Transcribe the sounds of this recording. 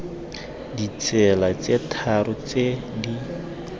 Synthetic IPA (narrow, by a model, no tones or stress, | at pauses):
dit͡sɛlat͡setʰaɾʊt͡se | di